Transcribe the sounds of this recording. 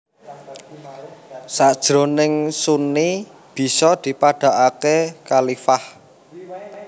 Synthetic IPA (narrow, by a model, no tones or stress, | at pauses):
sad̥ʒ̥ɾonɪŋsuni | b̥i̤sɔd̪̥i̤paɖ̥a̤ʔakekalifah